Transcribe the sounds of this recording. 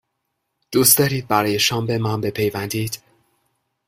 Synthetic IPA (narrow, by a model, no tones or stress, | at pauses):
d̪̥uːst̪ɒːɾiːd̪̚bæɾɒːje̞ʃɒːmbe̞mɒnbe̞pʰe̞jvænd̪iːd̪̥